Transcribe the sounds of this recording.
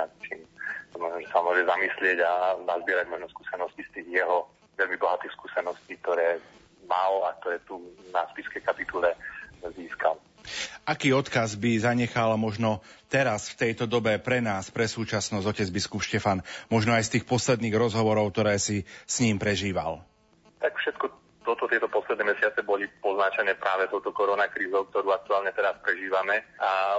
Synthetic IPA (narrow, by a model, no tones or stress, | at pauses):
at̪t͡ʃḭːmsamɔnɔmʒɛsamʊɔʒɛzamislɪɛɟanazbɪɛɾaɟmɔʒnɔskuːsɛnɔscist̪iːɣjɛɦɔ | ʋɛlmibɔɦat̪iːxskuːsɛnɔsciːk̚t̪ɔɾɛː | malak̚t̪ɔɾɛːt̪unaspiskɛjkapit̪ulɛziːska̰l | akiːɔt̪kazbizaɲɛxalmɔʒnɔt̪ɛɾasft̪ɛjt̪ɔd̪ɔbɛpɾɛnaːspɾɛsuːt͡ʃasnɔzɔcɛd͡zbiskupʃcɛfanmɔʒnɔajst̪iːxpɔslɛd̪niːɣɾɔzɦɔʋɔɾɔʊk̚t̪ɔɾɛːsisɲiːmpɾɛʒiːʋa̰l | t̪akfʃɛt̪kɔ | t̪ɔt̪ɔt̪ɪɛt̪ɔpɔslɛd̪nɛːmɛsɪat͡sɛbɔlipɔznat͡ʃɛnɛpɾʔaːʋɛt̪ɔʊt̪ɔkɔɾɔnakɾiːzɔʊk̚t̪ɔɾuːak̚t̪uaːlɲɛt̪ɛɾaspɾɛʒiːʋamɛa